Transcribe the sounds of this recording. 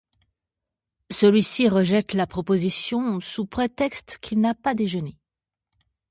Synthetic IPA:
səlɥisiʁəʒɛt̪lapχɔpozisjɔ̃supχet̪ɛkst̪kʲʰilnapad̪eʒəne

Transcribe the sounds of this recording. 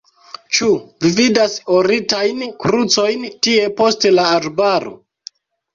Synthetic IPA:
t͡ʃuvividasoɾitajnkɾut͡so̞jntie̞po̞stelaːɾbaɾo̞̰

